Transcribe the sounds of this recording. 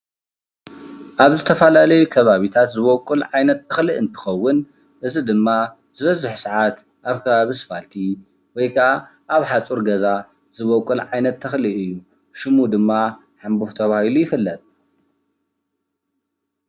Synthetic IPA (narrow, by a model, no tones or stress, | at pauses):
ʔaβzɨt̪ʰɐfɐlalɐjukʰɐβaβit̪ʰat̪zɨβokʼulʕajnɐt̪ːɐxlɨʔɨnt̪ʰɨ̥xɐwːʊn | ʔɨzid̪ɨmːa | z̥ɨβɐzʊħsɐʕat̪ | ʔaβkʰɐβaβisɨ̥falt̪ʰi | wɔjkʰaaʔaβħat͡sʼuɾɡɐza | zɨβokʼːulʕajnɐt̪ʰːɐxlɨʔɨjːu | ʃɪmud̪ɨmːa | ħambuft̪ʰɐβahilujɪfɨlːɐt̪ʼ